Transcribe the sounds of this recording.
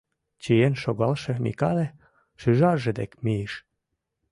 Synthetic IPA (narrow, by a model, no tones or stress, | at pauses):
t͡ɕijenʃoɣɑlʃemḭkɑle | ʃyʒɑʒed̪ḛkmieʃ